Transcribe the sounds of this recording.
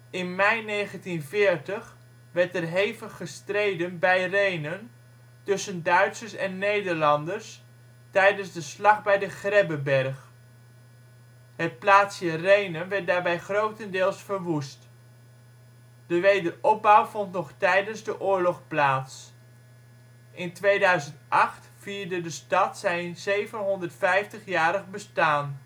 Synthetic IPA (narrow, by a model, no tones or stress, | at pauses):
ɪnmɛjnejχəntinvɪːɹtəχ | ʋɛɹtɛrɦejvəχːəstrejdənbɛjrejnən | tɵsəndœɥtsəɹsɛnːejdəɹlɑndəɹs | tɛjdənzdəslɑχbɛjdəχrɛbəbɛɹχ | ɦət̚plaːtsjərejnənʋɛɹt̚daːɹbɛjχrowtəndɪːlˠsfəɹʋust | d̥əʋejdərɔb̚bɑwvɔntnɔχtɛjdənzdəʔʊːɹlɔχplaːts | ʔɪntʋejdœɥzəntʔɑχtfiːɹdədəstɑtsɛjzejvənɦɔndəɹtfɛjftəχjaːɾəχbəstaːn